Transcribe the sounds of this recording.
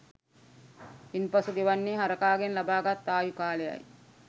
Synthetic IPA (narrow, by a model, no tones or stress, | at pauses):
inpasuɡ̪eʋanːeːɦaɾəkaːɡenlabaːɡat̪ːaːjukaːleja̰j